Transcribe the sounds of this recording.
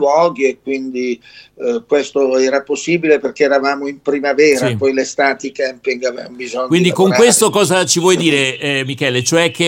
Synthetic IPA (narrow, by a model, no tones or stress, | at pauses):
wɔːɡiekːwind̪i | kwest̪oɛːɾaposːiːbileperk̟eːɾavaːmoimpɾimavɛːɾapɔjlest̪aːt̪ikɛmpiŋɡavevambizoɲːkwind̪ikoŋkwest̪okɔːzat͡ʃivwɔjd̪iːɾemikɛːlet͡ʃoɛk̟ːe